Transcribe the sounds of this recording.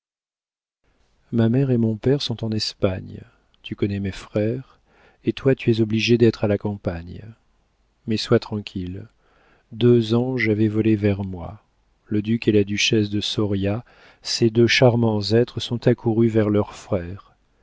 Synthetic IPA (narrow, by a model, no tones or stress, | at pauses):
mamɛʁemɔ̃pɛʁsɔ̃t̪ɑ̃nɛspaɲ | t̪ykɔnɛmɛfχɛʁ | et̪wat̪yɛzɔbliʒed̪ɛt̪χalakɑ̃paɲ | mɛswat̪χɑ̃kʲʰil | d̪øzɑ̃ʒavɛvɔlevɛʁmwa̰ | ləd̪ykelad̪yʃɛsd̪əsɔʁja | sed̪øʃaʁmɑ̃zɛt̪χəsɔ̃t̪akʰuʁyvɛʁlœʁfχɛːʁ